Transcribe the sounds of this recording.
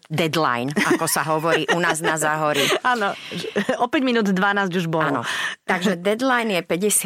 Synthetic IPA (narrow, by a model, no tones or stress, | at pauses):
d̪ɛd̪la̰jnakɔsaɦɔʋɔɾɾiːʔunaːznazaɦɔɾiaːnɔɛɔpɛɟminuːd̪d̪ʋanaːzɟuʒbɔɔnɔ̰t̪aɡʒɛd̪ɛd̪lajnjɛpɛɟɛsɪ